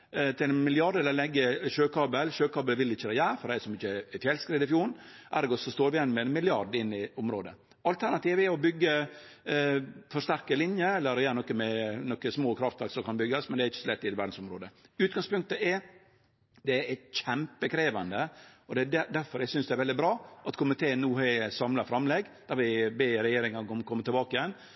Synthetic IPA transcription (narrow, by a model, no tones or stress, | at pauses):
t̪ʰɪlɛnmɪlɪɑɖɛləlɛɡːəʃøːkɑːbəlʃøːkɑːbəlʋɪlɪçːəd̪ɛjæːɾfɔɾæsɔmɪçːəɛfjɛlskɾiːd̪ɪfjuːnʔæ̰ɾɡɔsɔst̪oːɾʋɪjɛnːmɛɛnmɪlɪɑɖɪnːɪʊmɾoːd̪ə | ɑlt̪ʰæɾnɑt̪iːʋɛɔbʏɡːə | fɔɾʂt̪æɾkəlɪnjəɛlːəɾɔjæːɾənɔkːəmɛnɔkːəsmoːkʰɾɑft̪ʋæɾksɔmkɑnbʏɡːɑsmɛnd̪ɛɾɪçːə̥sɔlɛt̪ːɪd̪ʋæɾɖn̩sɔmɾoːd̪əʉːt̪̚ɡɑŋspʉŋkt̪əɛ | d̪ɛææçɛmpəkʰɾeːʋɑnd̪əɔd̪ɛædæd̪æɾfɔɾæɡsʏnsd̪ɛɾʋɛld̪ɪbɾɑːʔɑt̪kʰʊmːɪt̪ʰeːnːuːhæsɑmlɑfɾɑmlɛɡd̪̥æɾʋɪbeːɾɛjeːɾɪŋɑnkɔmːkʰɔmːət̪ɪlbɑːkəɪjɛnː